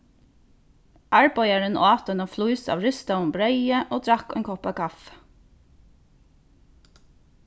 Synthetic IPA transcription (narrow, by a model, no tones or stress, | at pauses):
ʔæːɹbɔʏɑɹənʔɑːt̪ənəfluʏsɑ̰ːʋɹʉst̪əmbɹœʏəʔoːd̪ʰɾɑkḛːŋkʰɔpɑːkʰɑf